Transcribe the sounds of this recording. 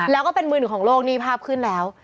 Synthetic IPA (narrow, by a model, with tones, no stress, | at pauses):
lɛː˦˥wkɔː˥˩pe˧nmɯː˧nɯ˨˩kʰɔː˩˦ŋloː˥˩k̚niː˥˩pʰaː˥˩p̚kʰɯ˥˩nlɛː˦˥w